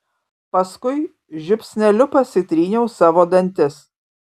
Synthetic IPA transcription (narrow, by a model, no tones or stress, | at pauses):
pɐskʊɪ | ʒʲʊpʲsʲnʲɛlʲʊpɐsɪt̪ʲɾʲiːnʲɛʊsɑːʋoːd̪ɐnʲt̪ʲɪs